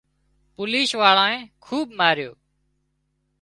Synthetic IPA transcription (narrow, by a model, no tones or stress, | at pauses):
poːliːsʋaːɭãːẽːkʰuːbmaːɾjo̰ː